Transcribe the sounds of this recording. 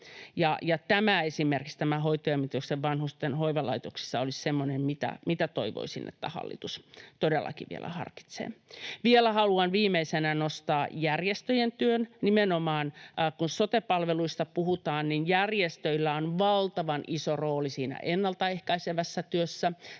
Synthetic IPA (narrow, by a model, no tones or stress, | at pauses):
jɑjɑt̪æmæesimerkikst̪æmæɦoit̪oemːit̪økseʋʋɑnhust̪enɦoiʋɑlɑit̪oksi̥sːɑolissemːonemmit̪æ̰mit̪æt̪oiʋo̰isḭnːʔḛt̪ːæ̰hɑ̰lːḭt̪ust̪odelːɑ̰kiʋḭḛlæ̰hɑ̰rki̥t̪sḛːʋielæhɑluɑnʋiːmeisenænost̪ɑːjærjest̪øjent̪yønnimenomɑːnkunsot̪epɑlʋeluist̪ɑpuhut̪ɑːnninjærjest̪øilːæonʋɑlt̪ɑʋɑnʔisoroːlisiːnæ̰ʔenːɑlt̪ɑehkɑiseʋæsːæt̪yøsːæ